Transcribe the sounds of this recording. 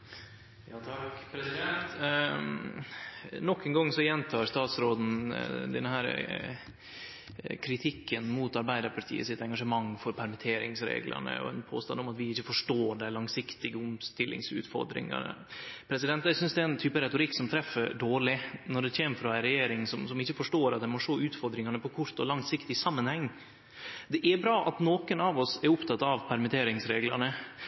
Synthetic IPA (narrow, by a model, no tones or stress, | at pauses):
jɑːt̪ʰɑkpʰɾɛsɪd̪ɛnt̪ | nɔkːɛŋɡɔŋːsɔjɛnt̪ʰɑːɾst̪ɑːt̪sɾoːd̪n̩d̪ɛnhæːɾ | kʰɾɪt̪ʰɪkʰːənmuːt̪ɑɾbæɪd̪əɾpʰɑʈʰḭːə̰sɪt̪ɛŋɡɑʂəmɑŋːfɔɾpʰæɾmɪt̪ʰeːɾɪ̰ŋsɾḛːɡlʔə̰ɳə̰ɔ̰ɛ̰npʰo̰ːst̪ɑnd̪ɔmɑt̪ʋɪɪçːəfɔʂʈoːɖæɪlɑŋsɪkt̪ɪɡəʊmst̪ɪlʔɪ̰ŋsʉ̰ːt̪fɔ̰ɾd̪ɾɪ̰ŋɑ̰nə̰pʰɾɛsɪd̪ɛnt̪jæsʏnsd̪ɛɪnt̪ʰyːpəɾɛt̪ʊɾɪkːsɔmt̪ʰɾɛfːəɾɖoːɭɪnɔɖɛçeːməfɾɔæɪɾɛjeːɾɪŋsɔmsɔmɪçːəfɔʂʈoːɾɑt̪d̪ɛɪmɔʂoːʉːt̪fɔɾd̪ɾɪŋɑnəpɔkʰʊɾt̪ɔlɑŋsɪkt̪ɪsɑmːənhɛŋː | d̪ɛʔæbɾɑːʔɑt̪noːkənɑʋɔsɛɾʊpt̪ʰɑt̪ːɑʋpʰæɾmɪt̪ʰeːɾɪŋsɾeːɡlɑɳə